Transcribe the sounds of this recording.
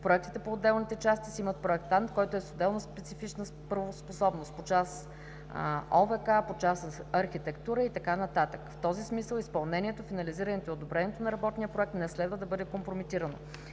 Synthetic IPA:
pɾoɛk̚t̪it̪ɛpoːd̪ːɛlˠnit̪ɛt͡ʃast̪isiimət̪̚pɾoɛkt̪ant̪kɔjt̪oɛst̪od̪ɛlˠnospɛt̪sifit͡ʃnə | pəɾvosposɔbnost̪pot͡ʃas | ovɛkapot͡ʃasɐɾxit̪ɛkt̪uɾəit̪ɐkanɐt̪at̪əkft̪ɔzismisəlˠispɐlˠnɛniɛt̪ofinɐliziɾɐnɛt̪oiod̪obɾɛniɛt̪onɐɾɐbɔt̪niəpɾoɛk̚t̪nɛslɛd̪vəd̪ɐbɤd̪ɛkompɾomit̪iɾɐno̰

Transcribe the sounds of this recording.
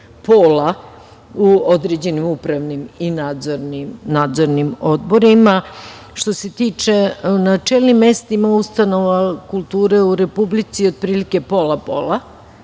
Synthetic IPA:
poːla | uod̪ɾed͡ʑe̞nimupɾaʋniminad̪zoɾnimnaːd̪zoɾnimo̞d̪bo̞ɾima | ʃt̪o̞se̞t̪iːt͡ʃe̞nat͡ʃelˠnimːe̞st̪imaust̪ano̞ʋakulˠt̪uːɾe̞uɾe̞publit̪siod̪̚pɾiːlike̞po̞lapo̞̰ːla

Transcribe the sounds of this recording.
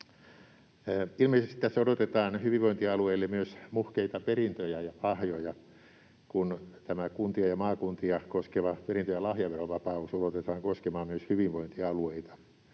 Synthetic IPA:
ilmeˑisest̪it̪æsːodot̪et̪ɑːnhyʋiʋʋoint̪iɑlueilːemmyøsmuhkeit̪ɑperint̪øjæjɑɑhjojɑ | kunt̪æmækunt̪iɑjɑmɑːkunt̪iɑkoskeʋɑperint̪øjɑlɑhjɑʋeroʋɑpɑusodot̪et̪ɑːŋkoskemɑːmmyøshyʋiʋʋoint̪iɑlueit̪ɑ̥

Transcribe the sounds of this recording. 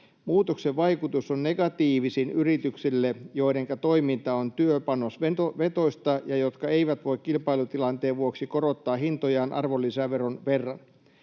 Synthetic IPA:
muːt̪okseʋʋɑjkut̪usonneɡ̥ɑt̪iːʋisinyrit̪yksilːejo̞iɾeŋkɑt̪o̞imint̪ɑont̪yøpɑnosʋ̪oʋet̪o̞ist̪ɑjɑjo̞t̪kɑeiʋæt̪ʋo̞ikkilpɑilut̪ilɑnt̪eːʋʋuoksiko̞ɾot̪ːɑːɦint̪ojɑːnʔɑ̰rʋolːisæʋeronʋe̞rːɑn

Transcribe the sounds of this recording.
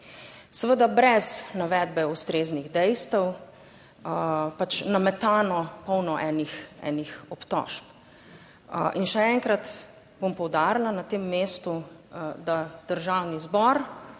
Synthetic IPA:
sɛʋəd̪abɾɛznaʋɛːd̪̚bɛust̪ɾeːzniɣd̪ɛjst̪əw | pat͡ʃnamɛt̪aːnɔpɔwnɔʔɛnixɛ̰ːnixɔpt̪ɔ̰ʃp | ʔinʃɛɛŋkɾat̪ | b̥ompɔwd̪aɾlanat̪emːeːst̪ud̪ad̪̥əɾʒawnizbɔɾ

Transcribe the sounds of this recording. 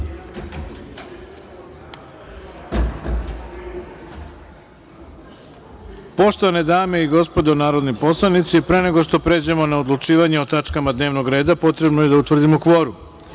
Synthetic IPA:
po̞ʃt̪oʋaned̪aːme̞iɡo̞spo̞d̪onaːɾo̞d̪nipo̞slˠanit̪sipɾe̞ːne̞ɡo̞ʃt̪o̞pɾe̞ːd͡ʑemo̞naod̪lˠut͡ʃiːʋaɲeo̞t̪at͡ʃkamad̪ne̞ːʋno̞ɡɾe̞ːd̪apo̞t̪ɾe̞bnojed̪aut̪ʋr̩d̪imokʋo̞ɾu

